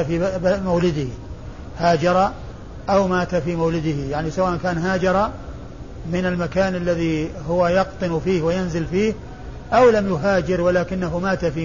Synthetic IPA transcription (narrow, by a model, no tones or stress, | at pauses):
afimawlɪd̪ɪh | haːd͡ʒɑɾˤɑ | ʔawmaːt̪afiːmawlɪd̪ɪhijaʕnisawaːʔankaːnɦaːd͡ʒɑɾˤɑ | mɪnalmakaːnʔalːaðiɦʊwajɑqt̪ˤɨnfiːhwɪjanzɪlfiːh | ʔawlamjʊɦaːd͡ʒɪɾwɪlaːkɪnːaɦʊmaːt̪afiː